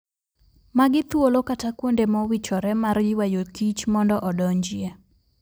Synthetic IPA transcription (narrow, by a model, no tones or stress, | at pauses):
maɡɪt̪wolokatakwondemɔwit͡ʃɔɾɛmarjɪwajokit͡ʃmɔndɔʔɔdɔɲd͡ʒɪe